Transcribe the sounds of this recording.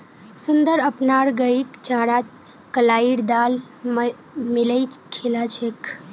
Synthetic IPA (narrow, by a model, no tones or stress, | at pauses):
sʊnd̪əɾəpnaːɾɡəikt͡ʃaːɾat̪ | kəlaːiɾd̪aːl | miləjt͡ʃkʰelat͡ʃʰekʰ